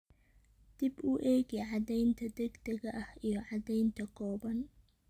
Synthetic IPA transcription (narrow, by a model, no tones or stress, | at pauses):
d̪̥ɪbuːʔɛːɣɛʕɑd̪ɛjnt̪ʰɐd̪ɛɡd̪ɐɣɐʔɐhijɞʕɑd̪ɛjnt̪ʰɐkʰɔːbɐn